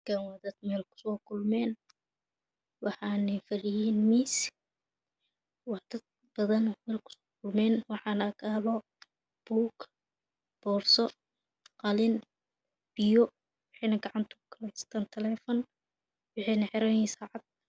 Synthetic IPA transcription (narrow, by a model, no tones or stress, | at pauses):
ɡɐwɐd̪ɐd̪mɛːlkʰʊ̥sɔːkʰʊlmɛːn | wɑħɑːnɛjfɐrɪjiːnmiːs | wɑħd̪̥ɐd̪̚ | b̥ɐðɐnmɛːlkʰʊ̥sɔːkʰʊlmɛːnwɑħɑːnɐɐkʰaːlɔ | b̥uːk | b̥ɔːrsɔ | qɑlɪn | b̥ɪjɔ | wɑħɛjnɐɡɑʕɑnt̪ʰʊʊkʰɐlɛst̪ʰaːnt̪ʰɐlɛːfɔn | wɑħɛjnɐħɪɾɐjiːnsɑːʕɑd̪̥̚